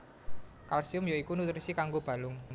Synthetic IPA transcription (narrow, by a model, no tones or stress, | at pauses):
kalsiʊmjoikunut̪ɾisikaŋɡob̥ä̤lʊŋ